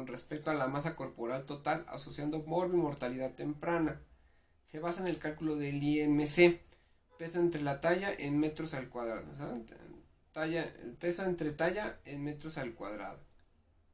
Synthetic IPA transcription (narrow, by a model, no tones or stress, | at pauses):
onre̞spek̚t̪oalamas̬ako̞ɾpo̞ɾalt̪o̞t̪ala̰so̞sjand̪o̞moɾβimo̞ɾt̪aliðaðt̪e̞mpɾana | se̞βasaene̞lkalkulo̞ðe̞liemese | pesoent̪ɾe̞lat̪aʝaʔenme̞t̪ɾosalkwaðɾaðo̰a | t̪aape̞soent̪ɾe̞t̪aʝaenme̞t̪ɾo̞salkwa̰ðɾa̰ðo